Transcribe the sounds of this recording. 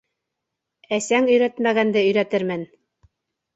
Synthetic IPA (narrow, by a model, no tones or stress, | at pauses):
æsæŋɵ̆jɾæt̪mæɣænd̪ɘɵ̆jɾæt̪ɘɾmɘn